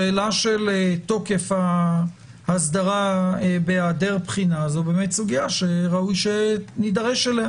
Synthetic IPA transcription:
eelaʃeleto̞kefa | hasd̪aʁabeaːdeʁpχinazubemetsuɡiaʃeʁaujʃenidaʁeʃele

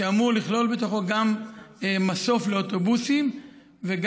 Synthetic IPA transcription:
eamuʁliχlo̞lbe̞t̪o̞χo̞ɡamemaso̞fle̞ot̪o̞busim | veɡ

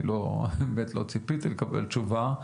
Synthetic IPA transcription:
lomet̪lot͡sipit̪ilekabḛlt͡ʃuva

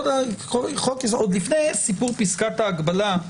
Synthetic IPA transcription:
daolχokesod̪lifnejsipuʁpiskat̪aːɡbala

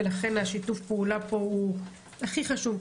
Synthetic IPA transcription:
laχe̞naʃitufpeulapo̞u | aχiχaʃuv

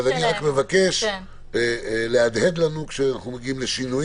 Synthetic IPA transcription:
azaniʁakme̞vake̞ʃ | lead̪hed̪lanukʃeanaχnumeɡiimleʃinuj

